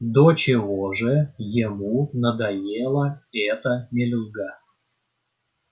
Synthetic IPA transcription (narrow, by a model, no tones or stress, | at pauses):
d̪ot͡ɕɪvoʐɨjɪmunəd̪ɐjelˠəɛt̪ənʲɪlʲʊɡa